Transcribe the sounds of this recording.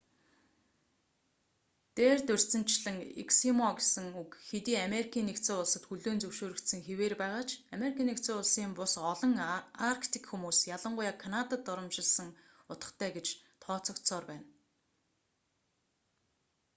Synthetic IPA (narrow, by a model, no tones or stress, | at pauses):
t̪eːrt̪ɵr̥ʲt͡sɘ̆n̥t͡ɕɮɘ̆ŋḭksimɔɡesɘ̆ŋukxet̪iːameɾikʰiːnːekt̪t͡sĕːʊɮsə̆t̪xuɮoːnt͡sɵwʃoːɾɵ̆kt̪sɘ̆ŋxeweːrpæːʁaːt͡ɕameɾikʰiːnekt̪t͡seːʊɮsiːmpʊsɔɮɞ̆ŋarkʰt̪ʰi̥kxumuːsjaɮə̆ɴɢʊjaːkʰanat̪at̪ɔɾɞ̆mʃɪ̆ɮsə̆ŋ | ʊt̪ə̆χt̪ʰæːɡet͡ɕt̪ʰɔːt͡sɞ̆k̪sɔːrpæːn